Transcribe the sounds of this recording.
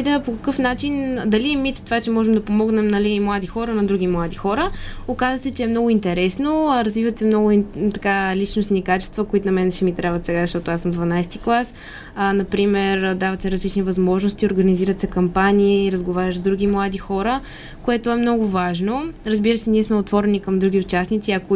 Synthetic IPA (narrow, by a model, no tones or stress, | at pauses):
d̪əpokəkɤfnat͡ʃind̪ɐliɛmit̪st̪vat͡ʃɛmɔʒɛmd̪ɐpomɔɡnɛmnɐlimlˠad̪ixɔɾənɐd̪ɾuɡ̟ʲimlˠad̪ixɔɾəokazəsɛt͡ʃɛːmnɔɡʊint̪ɛɾɛsnoɾɐzvivət̪sɛmnɔɡʊt̪ɐkalit͡ʃnosniːkat͡ʃɛ̥st̪vəkoit̪ʊnɐmɛnʃɛmit̪ɾʔabvət̪sɛɡazɐʃt̪ɔt̪ʊasəmd̪vɐnajst̪iklˠas | ənɐpɾimɛɾd̪avət̪sɛɾɐzlit͡ʃnivɐzmɔʒnost̪ioɾɡɐniziɾət̪sɛkɐmpanʲiːɾɐzɡovaɾʲəʒzd̪ɾuɡʲimlˠad̪ixɔɾə | koɛt̪oɛmnɔɡʊvaʒnoɾɐzbiɾəsɛniɛsmɛot̪vɔɾɛnikɐmd̪ɾuɡ̟ʲiʊt͡ʃasnit̪siɐko